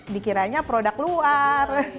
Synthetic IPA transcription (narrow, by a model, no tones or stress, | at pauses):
dikiɾaɲapɾodakluar